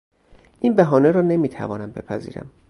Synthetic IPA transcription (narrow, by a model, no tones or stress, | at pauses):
ʔinbæɦɒːneɾɒːne̞miːt̪ʰæ̰vɒːnæmbe̞̰pʰæzḭːɾæ̰m